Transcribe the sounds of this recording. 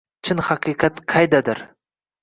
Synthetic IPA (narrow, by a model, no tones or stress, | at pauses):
t͡ʃʰɪnhɑqʰɨqʰɑt̪qʰɑjd̪ad̪ɪɾ